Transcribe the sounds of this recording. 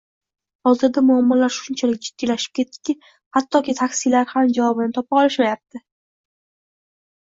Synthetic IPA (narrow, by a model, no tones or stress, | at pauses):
hɒzɪɾd̪amʊamːɒlaɾʃʊnt͡ʃʰalɪk̚ʲd͡ʒɪd̪̥ːilaʃɪ̥p̚kʲe̞t̪ʰːɪ̥kʲɪ | hat̪ʰːɒkʲɪt̪ʰakʲsɪlaɾhamd͡ʒavɒbɪnɪt̪ʰɒpɑɒlɪʃmajap̚t̪ʰɪ